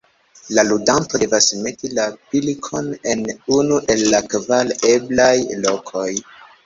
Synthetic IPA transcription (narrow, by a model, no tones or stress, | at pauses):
laludantode̞vasme̞tilapilkʰo̞ne̞nunuʔe̞lːakvale̞blajlo̞kʰo̞j